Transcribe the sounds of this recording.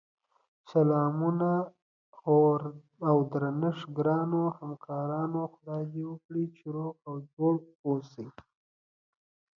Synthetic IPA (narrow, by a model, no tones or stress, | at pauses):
salɑmuna | ɣoɾː | wd̪ɾanɪʂɡɾɑnohamkʰɑɾɑnoxʊɾɑd̪ewəkɽit͡ʃɪɾokawd͡ʒoɽosi